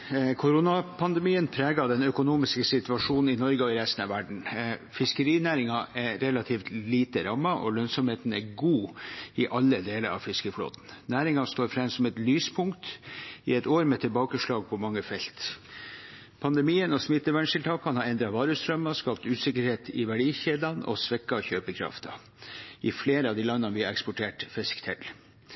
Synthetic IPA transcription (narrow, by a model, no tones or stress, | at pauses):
kʰʊɾʊnɑpʰɑnd̪ɛmiːənpʰɾeːɡɑd̪ɛnœkʊnuːmɪskəsɪt̪ʉɑʂuːnn̩ɪnɔɾɡəɔɪɾɛst̪n̩ɑʋæɖɳ̩fɪskəɾiːnæːɾɪŋɑʔɛɾɾɛlɑt̪ʰiːft̪liːt̪əɾɑmːɑʔɔ̰lœnsɔmheːt̪n̩æ̰ɾɡuːɪʔɑlːəd̪eːləɾɑ̰ʋfɪskəflo̰ːd̪n̩næːɾɪŋɑst̪oːɾfɾɛmsɔmɛt̪lyːspʰʊŋkt̪ɪɛt̪oːɾmɛt̪ʰɪlbɑːkəʂɭɑːɡ̚pʰɔmɑŋːəfɛlt̪ | pʰɑnd̪ɛmiːənɔsmɪt̪ːəʋæɳʂɪlt̪ʰɑːkkʰːɑnhɑːɛnd̪ɾɑʋɑːɾəst̪ɾœmːɑskɑːp̚t̪ʉːsɪkəɾheːt̪ʰɪʋæɖiːçeːd̪lɑnɔ̰sʋɛkːɑçøːpəkʰɾɑ̰ft̪ʰɑ̰ | ʔɪfleːɾəɑʋd̪iːlɑnːɑnʋɪɑɾɛkspɔʈʰeːʈfɪskt̪ʰɛl